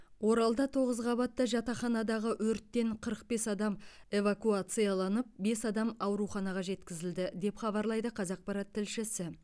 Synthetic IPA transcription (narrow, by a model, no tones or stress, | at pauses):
wo̞ɾɑlˠd̪ɑt̪ʰo̞ʁəzʁɑβɑt̪ːɑʒɑt̪ɑχɑnɑd̪ɑʁəwɵɾt̪ːe̞ɴqʰəɾəq̚be̞sɑd̪ɑme̞vakuat̪sɨjalˠɑnəp̚be̞sɑd̪ɑmɑwɾuχɑnɑʁɑʒe̞t̪kʲɪzɪld̪ɪd̪e̞pχɑbɑɾlˠɑjd̪əqʰɑzɑq̚pɑɾɑt̪ʰːɪlʃɪsɪ